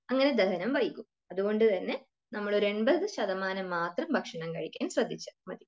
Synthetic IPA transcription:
ɐŋːɐne̞d̪ɐɦɐnɐmʋɐjikʲːum | ɐðuɣo̞ɳɖɨt̪ɐnːe̞ | nɐmːɐɭoɾue̞ɳbɐðɨɕɐðɐmaːnɐmːaːt̪rɐmbʱɐkʂɐɳɐmkɐɻikʲːaːjmsrɐd̪ʱit͡ɕːɐmɐd̪i

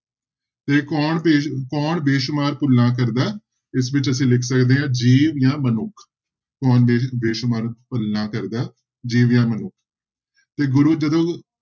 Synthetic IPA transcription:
t̪eːkɔːɳeːkɔːɳbeːʃmaːɾpʊlːãːk̬əɾd̪aː | ɪsʋɪt͡ʃəsĩːlɪkʰsəkd̪eːɦãːd͡ʒiːʋjãːmənʊkʰ | kɔːneːbeːʃmaːɾpəlnãːkəɾd̪aː | d͡ʒiːʋjãːmənʊkʰ | t̪eːɡʊɾuːd͡ʒəd̪õː

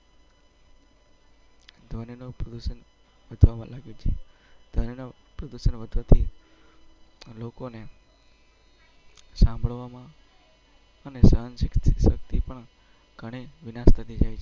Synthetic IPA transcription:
d̪ʱʋəninopɾəd̪uʃən | ʋəd̪ʱʋamã̰laɡet͡ʃʰed̪ʱəninopɾəd̪uʃənʋəd̪ʱʋat̪ʰi | lokone | sãmbʱəɭʋamã | ənesaənsk̪səkt̪ipəɳ | ɡ̥ʱəɽ̃eʋɪnast̪ʰəd̪id͡ʒajʰe

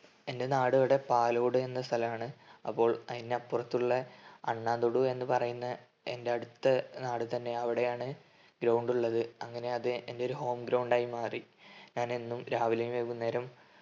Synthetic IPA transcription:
e̞nde̞naːɽɨiɽepaːloːɽue̞nːɐst̪ʰɐlɐmaːɳɨɐ̰pːo̞ːɭɐðinːeɐpːurɐt̪ːuɭːɐɐɳːaːd̪oɽue̞nːɨpɐrɐjunːɐ | e̞nde̞ɐɽut̪ːɐnaːɽɨt̪ɐnːe̞ɐʋiɽe̞jaːɳɨ | ɡɾɐwɳɖuɭːɐðɨɐŋːɐne̞ɐðɨe̞nde̞o̞ɾuho̞ːmɡɾɐwɳɖaːjimaːriɲaːne̞nːumɾaːʋilɐjumeʋunːe̞ːɾɐm

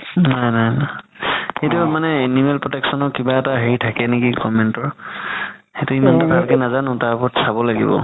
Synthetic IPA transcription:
najnajna | xejtumanɛenimɛlpɹɔtɛksɔnɔkibaɛtaɦeɹitʰakɛnekikɔmɛntɔɹ | xetuimanttaɹkɛnazanʊ̃taɹpɔtsabɔlaɡḭbɔ̰

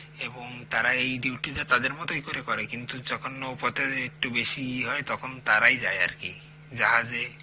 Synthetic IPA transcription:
ebɔŋt̪aɾaejɖiwʈidat̪ad̪eɾmɔt̪oikoɾekɔɾekint̪ud͡ʒɔkʰɔnopɔt̪eek̚ʈubesiɦɔet̪ɔkʰɔnt̪aɾajd͡ʒaea̰ɾkḭ | d͡ʒaɦad͡ʒe

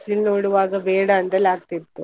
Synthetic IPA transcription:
silnoːɽuʋaːɡɐbɛːɽɐːnt̪ɐlaːɡ̚t̪it̪ːu

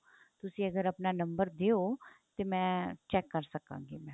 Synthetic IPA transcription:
t̪ʊsĩːəɡəɾɐpnaːnəmbəɾd̪eoːt̪eːmɛ̃ːt͡ʃɛːkːəɾsəkã̰ːŋɡeːmɛ̃ː

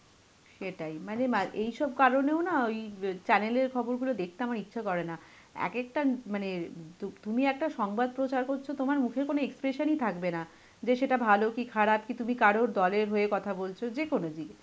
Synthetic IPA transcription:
ʃeʈajmanemaʔejʃɔb̚kaɾoneonaojt͡ɕɛneleɾkʰɔboɾɡulod̪ekʰt̪eamaɾitːɕʰakɔɾena | ɛ̰kek̚ʈamanet̪ut̪umiɛk̚ʈaʃɔŋbad̪̚pɾot͡ɕaɾkoɾt͡ɕʰot̪omaɾmukʰeɾkonoekspɾeʃonit̪ʰakbena | d͡ʑeʃeʈabʱalokikʰaɽap̚kit̪umikaɾoɾd̪ɔleɾɦoekɔt̪ʰabolt͡ɕʰod͡ʑekonod͡ʑi

